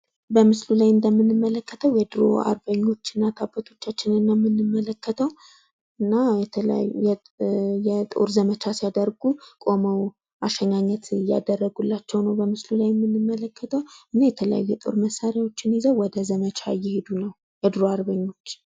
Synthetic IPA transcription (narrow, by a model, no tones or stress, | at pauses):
bəmɨslulajɨnd̪əmːɨnːɨmːələkːət̪ʰəwjɛd̪ɨɾo̰a̰ɾbəɲːo̞t͡ʃːɨnːat̪ʰabət̪ʰo̞t͡ʃːat͡ʃːɪnɨnːamːɨnːɨmːələkːət̪ʰəw | ɨnːajɛɛ | jɛt̪ʼo̰ɾzəmət͡ʃʰasijad̪əɾɡukʼo̞məw | ʔaʃəɲaɲːət̪ja̰d̪ərːəɡulːat͡ʃːɛwnəwbəmɨslulajɛmːɨnːɨmːələkːət̪ʰəwɨnːajɛt̪ʰələja̰jːɛt̪ʼo̞̰ɾməsːaɾjawo̞t͡ʃːɪnizəwwɔd̪əzəmət͡ʃʰa̰jːɛhed̪unəw | jɛd̪ɨɾoaɾbəɲːo̞t͡ʃː